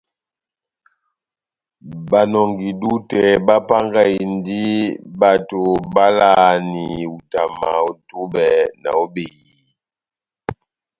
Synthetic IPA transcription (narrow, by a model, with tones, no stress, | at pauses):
ba˨nɔ˨ŋɡi˨du˦tɛ˨ba˦pa˦ŋɡa˦i˨ndi˦ba˨to˨ba˦la˦˨ni˨u˨ta˨ma˨o˨tu˦bɛ˨na̰˨o˦be˨ɣi˨